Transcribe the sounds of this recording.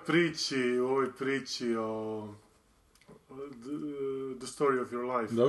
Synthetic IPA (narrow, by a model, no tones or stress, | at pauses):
pɾiːt͡ʃioʋojpɾiːt͡ʃio | d̪əst̪oːɾiofjoɾlajfd̪a